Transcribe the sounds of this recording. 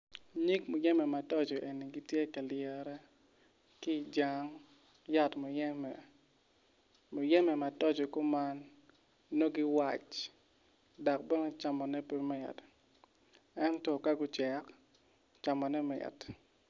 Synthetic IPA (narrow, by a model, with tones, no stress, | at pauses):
ɲi˦kmʊ˨jɛ˦mɛ˨ma˨tɔ˦d͡ʒɔ˨ʔe˨ni˨ɡi˦tje˦ka˨lɪɛ˨ɾɛ˦ | ki˦˨d͡ʒa˦ŋ | ja˦tmo˨jɛ˦mɛ˨ | mo˨jɛ˦mɛ˨ma˨tɔ˦d͡ʒɔ˨ko˦ma˦nː | o˦ɡi˦wa˨t͡ʃ | da˨k̚bɛ˦ŋ˦t͡ʃa˨mɔ˨nɛ˦pe˦mɪ˨t | ɛ˦ntɔ˨ka˦ɡʊ˦t͡ʃɛ˨k | t͡ʃa˨mɔ˨nɛ˦mɪ̰˨t